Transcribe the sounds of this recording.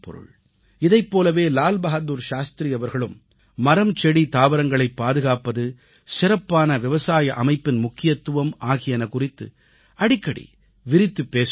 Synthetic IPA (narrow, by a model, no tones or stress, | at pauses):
pɔ̰ɾɯ̰ɭ | ɪðɐɪpːoːlɐʋeːlaːlbɐɣɐd̪uːɾʃaːst̪ɾijɐʋɐɾɣɐɭɯmː | ɐɾɐmt͡ʃɛɽit̪aːʋɐɾɐŋɡɐɭɐɪpːaːðɯɣaːpːɐðɯ | sɪrɐpːaːnɐʋɪʋɐsaːjɐʔɐmɐɪpːɪnmʊkːɪjɐt̪ːɯʋɐmaːɣɪjɐnɐkʊrɪt̪ːɯ̰ | ɐɽɪkːɐɽḭ | ʋɪɾɪt̪ːɯpːeːs